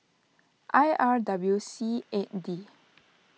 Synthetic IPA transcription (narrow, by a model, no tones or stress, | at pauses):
ʔajʔaɹdablusieʔ̚di